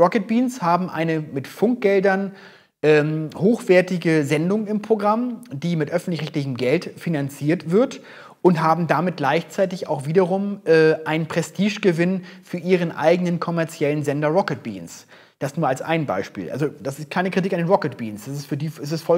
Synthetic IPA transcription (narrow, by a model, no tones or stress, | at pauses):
ʁɔkət̚b̥iːnshaːbm̩ʔa̰ɪnəmɪtfʊŋk̚ɡ̥ɛldɐn | ʔɛːmhoːxv̥ɛːɐtɪɡəzɛndʊŋɪmpʁ̥oɡʁamd̥iːmɪtʔœfn̩tlɪçʁɛçtlɪç̬əmɡɛltfinant͡siːɐtv̥ɪɐt | ʔʊntɦaːbm̩damɪt̚ɡ̥laɪçt͡saɪtɪça̰ʊxv̥iːdɐʁʊmʔɛːʔaɪnənpʁ̥ɛstʰiːʃɡ̥əvɪnfyːɐʔiːʁ̞ənʔa̰ɪɡənənkʰɔmɛɐt͡sjɛlənzɛndɐʁɔkət̚b̥ḭːns | d̥asnuɐalsʔa̰ɪnba̰ɪʃpḭːlʔa̰lzod̥asɪst̚kʰaɪnəkʁ̥itikandeːnʁɔkət̚b̥ḭːnsd̥as̬ɪstfyːɐdiːɛsɛstfɔ